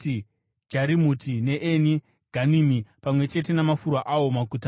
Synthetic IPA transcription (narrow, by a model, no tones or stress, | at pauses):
i | d͡ʒaɾimutine̞ʔeni | ɡ̥ʱanimipamwe̞t͡ʃe̞te̞namafuɾwaʔawo̞makuta